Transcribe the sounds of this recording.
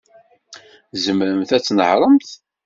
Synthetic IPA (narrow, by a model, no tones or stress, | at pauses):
zəmɾəmθæt͡sːnə̰ʕɾˤəmθ